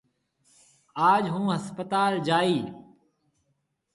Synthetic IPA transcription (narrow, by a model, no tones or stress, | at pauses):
aːd͡ʒɦũːɦəspət̪aːld͡ʒaːiː